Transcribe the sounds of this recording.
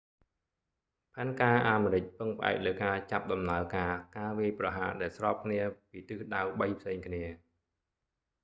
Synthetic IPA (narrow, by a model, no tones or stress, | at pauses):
pʰaɛnkaːʔaːmeːɾɨc̚pɨŋpʰə̆ʔa̰ɛk̚ləːwkaːt͡ɕap̚ɗɑmnaəlkaːkaːʋiəjprɑɦaːɗaɛlsrɑːp̚kʰniəpiːt̪ɨːɗawɓəjpʰseːŋkʰniə